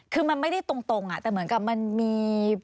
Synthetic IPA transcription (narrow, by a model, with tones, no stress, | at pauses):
kʰɯː˧ma˧nma˥˩jda˥˩jt̪o˧ŋt̪o˧ŋʔa˨˩t̪ɛː˨˩mɯ˩˦ənka˨˩p̚ma˧nmiː˧